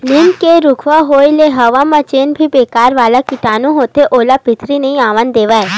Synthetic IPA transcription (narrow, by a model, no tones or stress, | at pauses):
nɪnkeɾʊkʰʋaɦoːileɦɐʋamãt͡ʃeːnbʱibeːkaːɾʋaːlakɪʈaːnũɦoːt̪eʔoːlapɪt̪ʰɾineĩaːʋənd̪eːʋae